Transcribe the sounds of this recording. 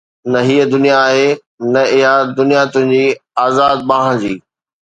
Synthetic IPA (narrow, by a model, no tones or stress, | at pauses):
nɐɦiːəd̪ʊnijaːɦe | nɐɪɦad̪ʊnijat̪ʊ̃ɦɪ̃ɲd͡ʑiːaːzaːd̪̚bãːɦd͡ʑiː